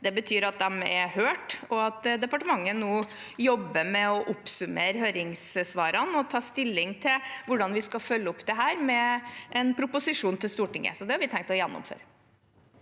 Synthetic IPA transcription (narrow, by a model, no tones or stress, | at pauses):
d̪ɛbət̪ʰyːɾɑt̪̚d̪ɛmɛhøːʈɔɑt̪d̪ɛpɑʈəmɑŋːənoː | jɔbːəmɛɔʔʊpsʉmeːɾɦøːɾɪŋssʋɑːɾɑnɔt̪ʰɑːst̪ɪlːɪŋt̪ʰɪlʋʊɖɑnʋɪskɑfœlːəɔpːd̪ɛɦæːɾmɛʔɛnpʰɾʊpʊsɪʂuːnt̪ɪlst̪uːʈɪŋːə̰sɔd̪ɛhɑɾʋɪt̪ʰɛŋkt̪ɔjɛnːɔ̰mfø̰ːɾ